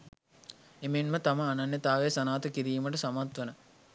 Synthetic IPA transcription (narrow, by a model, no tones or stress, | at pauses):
emenmət̪aməanɐnjət̪aːʋeːsɐnaːt̪əkiɾiːməʈəsamat̪ʋənə